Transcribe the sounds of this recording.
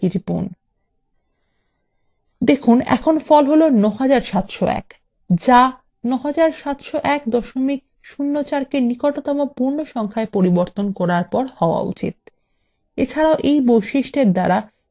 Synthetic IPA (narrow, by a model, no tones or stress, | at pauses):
iɾipṵn | d̪ekʰunɛ̰kʰonfɔlɦolonɔɦad͡ʑaɾʃat̪ʃoɛ̰k | d͡ʑa | nɔɦad͡ʑaɾʃat̪ʃoʔɛkd̪ɔʃomik̚ | ʃunːot͡ɕaɾkenikoʈot̪ɔmopuɾnoʃɔŋkʰaepoɾiboɾt̪onkɔɾaɾpɔɾhɔoa̰ṵt͡ɕḭt̪̚ | ḛt͡ɕʰaɾaoʔejbojʃiʃʈeɾd̪aɾa